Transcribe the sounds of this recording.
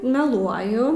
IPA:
mʲɛˈlˠuɔjʊ

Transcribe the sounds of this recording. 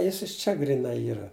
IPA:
ˈjɪs ˈɪʃ ˌt͡ʃʲɛ ɡrʲiːˈnɐɪ ˈiːrɐ

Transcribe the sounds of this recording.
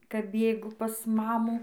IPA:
kɐp ˈbʲeːɡʊ pɐs ˈmɑːmuː

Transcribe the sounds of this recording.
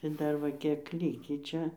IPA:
tɐɪ ˈdɐr ʋɐ ˈkʲiɛk ˈlʲiːkʲiː ˈt͡ʃʲɛ

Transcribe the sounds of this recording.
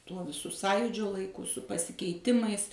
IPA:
ˈtuɔ ʋʲɪˈsʊ ˈsɑːjuːd͡ʒʲoː lˠɐɪˈkʊ sʊ pɐsʲɪkʲɛɪˈtʲɪmɐɪs

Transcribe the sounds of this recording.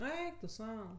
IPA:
ˈɛɪk tʊ ˈsɐʊ

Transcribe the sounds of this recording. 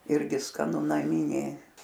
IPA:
ˈɪrʲɡʲɪ skɐˈnʊ nɐˈmʲɪnʲeː

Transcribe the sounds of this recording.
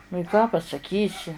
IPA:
nʊ ɪ kɑː pɐsɐˈkʲiːsʲɪ

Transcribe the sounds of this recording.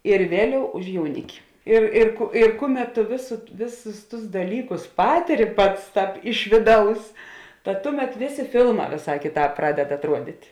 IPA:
ɪr ˈʋʲeːˌlʲɛʊ ʊʃ jɛʊˈnʲɪkʲɪ ɪr ɪr kʊ ɪr ˈkʊˌmʲɛt tʊ ʋʲeːs ˈʋʲeːˌsʊs tʊs dɐˈlʲiːkʊs ˈpɑːtʲɪrʲɪ ˈpɐts ˈtɑːp ˈɪʃ ʋʲeːˌdɐʊs tɐt ˈtʊˌmʲɛt ˈʋʲeːˌsʲeː ˈfʲɪlˠˌmɑː ʋʲeːˈsɑː ˈkʲeːˌtɑːp ˈprɑːdʲɛt ɐtˈruɔdʲɪtʲ

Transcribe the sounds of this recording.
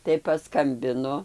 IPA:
tɐɪ pɐˈskɐmʲbʲɪnʊ

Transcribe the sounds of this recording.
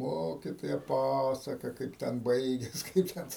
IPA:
ˈmoːkʲɪtoːjɛ ˈpɑːsɐkɐ ˈkɐɪp tʲɛn ˈbɐɪɡʲɛs ˈkɐɪp tʲɛn

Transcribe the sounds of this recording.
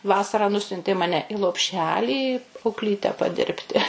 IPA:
ˈʋɑːsɐrɑː ˈnʊsʲʊnʲtʲeː ˈmɑːnʲɛ ɪ lˠoːpʲˈʃʲæːlʲiː ɐʊkˈlʲiːtʲɛ pɐˈdʲɪrʲpʲtʲɪ

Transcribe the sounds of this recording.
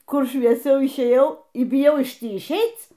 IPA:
ˈkʊr ʃʲʋʲiɛˈsʲɛʊ ɪʃʲˈeːjɛʊ iː bʲɪˈjɛʊ ɪʃ ˈtʲiː ɪʃʲˈɛɪt͡s

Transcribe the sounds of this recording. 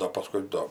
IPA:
ˈdoː pɐˈskʊɪ doː

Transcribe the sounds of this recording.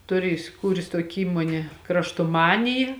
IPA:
ˈtʊˌrʲɪ ɪsʲɪˈkuːrʲeːs ˈtuɔkʲɪ ˈiːmuɔnʲeː krɐʃtoːˈmɑːnʲɪjɪ

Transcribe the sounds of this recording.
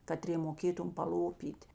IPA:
kɐˈtʲrʲeː moːˈkʲeːtʊm pɐˈlˠoːpʲiːtʲ

